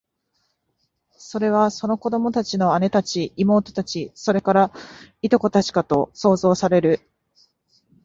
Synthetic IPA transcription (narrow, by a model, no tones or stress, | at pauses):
so̞ɾe̞β̞aso̞no̞ko̞d̪o̞mo̞t̪at͡ɕino̞ane̞t̪at͡ɕiːmo̞ːt̪o̞̥t̪at͡ɕiso̞ɾe̞kaɾait̪o̞ko̞t̪at͡ɕi̥kat̪o̞so̞ːzo̞ːsaɾe̞ɾɯ̟